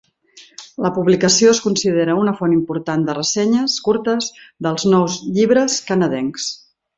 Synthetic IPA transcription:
ləpuβlikəsioəskunsiðeɾəunəfonimpuɾt̪and̪ərəsɛɲəskuɾt̪əzðəlˠznɔwzʎiβɾəskənəðɛŋs

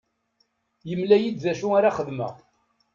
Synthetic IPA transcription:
jəmlæjid̪ðæʃuaɾaχəðmə̰ʁ

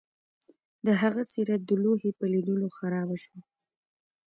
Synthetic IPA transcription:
d̪əɦaɣasiɾat̪̚d̪əloɦepəlid̪əloxaɾɑbaʃwa

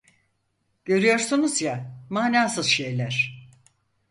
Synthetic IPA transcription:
ɟ̥ø̞ɾyjo̞ɾsunuzjamaːnaːsɯzʃe̞jlʲæɾ̥

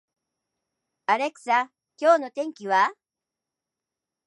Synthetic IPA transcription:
aɾe̞kɯ̟̥sa | kʲo̞ːno̞t̪ẽ̞ŋkʲiβa

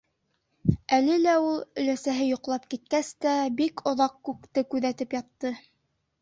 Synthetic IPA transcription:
ælɘlæulˠɵ̆læsæɦɘjŏqlˠɑp̚kit̪̚kæst̪æbikʰŏðɑqkʉkt̪ɘkʉðæt̪ɘpjɑt̪ːɤ

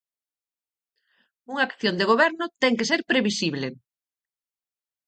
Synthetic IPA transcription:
uŋaːkθjond̪eɣ̞oβɛɾnʊt̪ɛŋkeseɾpɾeβisiβle

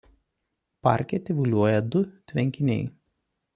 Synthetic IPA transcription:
pɑ̰ˑɾʲkʲɛt̪ʲɪʋʊlʲuɔjɛd̪ʊt̪ʲʋʲɛŋʲkʲɪnʲɛ̰ɪ

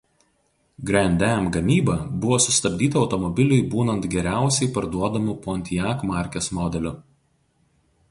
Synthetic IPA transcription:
ɡɾɐnʲd̪ʲæmɡɐmʲiːbɐbʊʋoːsʊst̪ɐbʲd̪ʲiːt̪ɐɒʊt̪ɔmɔbʲɪlʲʊɪbuːnɐnt̪ɡʲɛɾʲæˑʊsʲɛɪpɐɾd̪uɔd̪ɐmʊpoːnʲt̪ʲɪjæːkmɑˑɾʲkʲesmɔːd̪ʲɛlʲʊ

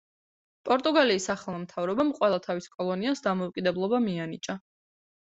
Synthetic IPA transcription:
pʼɔɾt̪ʼuɡaliːsaχlˠmɔmt̪ʰavɾɔbamqʼwɛlˠat̪ʰaviskʼɔlˠɔniasd̪amɔukʼid̪ɛblˠɔbamianit͡ʃʼa

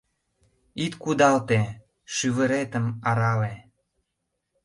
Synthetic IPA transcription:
it̪kud̪ɑlt̪e | ʃyβə̆ɾet̪əmɑɾɑle

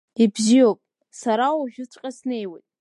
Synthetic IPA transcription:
ibziopʼ | saɾawaʒᶣʊt͡sʷʼqʲʼasne̞jwejtʼ

